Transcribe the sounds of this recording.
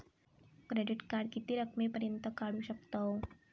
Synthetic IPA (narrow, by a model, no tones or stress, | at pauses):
kɾedɪt̪kaɽkit̪iɾək̚mepəɾint̪ɔkaɽuʃəp̚t̪ɔw